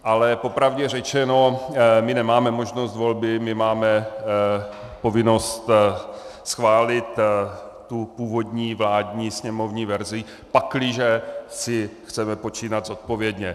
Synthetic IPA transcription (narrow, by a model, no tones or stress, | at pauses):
ʔalɛpo̞pɾavɟɛr̝ɛt͡ʃɛno̞mɪnɛmaːmɛmo̞ʒno̞st̪vo̞lbɪmɪmaːmɛ | po̞vɪno̞st̪ | sxvaːlɪt̪ | t̪upuːvo̞d̪ɲiːvlaːdɲiːsɲɛmo̞vɲiːvɛɾzɪ | paklɪʒɛsɪxt͡sɛmɛpo̞t͡ʃiːnad̪zot̪̚po̞vjɛdɲɛ